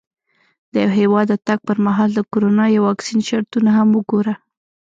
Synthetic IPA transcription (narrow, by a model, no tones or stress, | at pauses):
d̪̥əjawɦewɑd̪ːət̪aɡ̚pəɾmaɦɑld̪əkoɾonɑjwɑksinʃaɾt̪unaɦamwəɡoɾa